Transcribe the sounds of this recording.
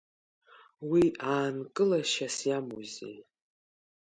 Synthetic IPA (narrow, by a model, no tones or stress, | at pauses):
wiaːnkʼɨlaʃasjamuzḛj